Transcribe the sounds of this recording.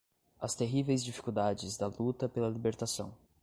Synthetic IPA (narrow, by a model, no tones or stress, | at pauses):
ɐst̪eɦivejzd͡ʒifi̥kuwd̪ad͡ʒɪzd̪ɐlut̪ɐpelɐlibeɾt̪asɐ̰̃w̃